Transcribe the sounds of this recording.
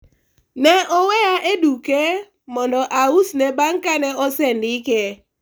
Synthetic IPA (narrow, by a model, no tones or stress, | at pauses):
nɛʔɔwɛjaʔeduke | mɔndɔʔausnɛbaŋkanɛɔsɛndɪkɛ